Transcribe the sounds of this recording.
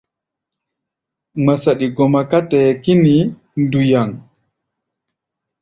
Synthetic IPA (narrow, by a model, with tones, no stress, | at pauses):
ma˨sa˨ɗi˨ɡɔ˨ma˨ka˦tɛ˨ki˦ni˨ | ndu˨ja˨ŋ